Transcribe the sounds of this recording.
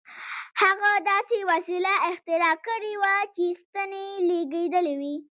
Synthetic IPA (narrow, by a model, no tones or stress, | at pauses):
haɣad̪ɑsewasilaɪxt̪ɪɾɑkəɽewat͡ʃest̪əneleɡed̪əlewi